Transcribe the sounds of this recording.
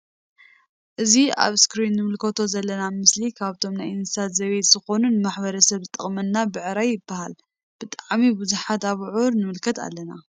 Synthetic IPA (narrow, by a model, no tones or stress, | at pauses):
ʔɨzia̰βskɾinːɨmɨlkʰot̪ʰozɐlːɐnamɨslikʰaβt̪ʰo̞mnajɨnsʰat̪zɐβejt̪z̥ɨxo̞nunɨmaħbɐɾɐsɐβzɨt̪ʼɐχʼmɐnːabɨʕɨɾajɪbːahal | b̥ɨt̪ʼaʕmibɨzuħat̪aβʕuɾnɨmɨlkʰɐt̪a̰lːɐna